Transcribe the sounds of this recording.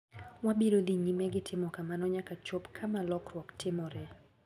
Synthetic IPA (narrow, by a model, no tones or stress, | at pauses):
wabeɾod̪iɲimɛɡɪtʰɪmɔkamanɔɲakat͡ʃopkʰamalɔkɾwɔktʰɪmɔɾɛ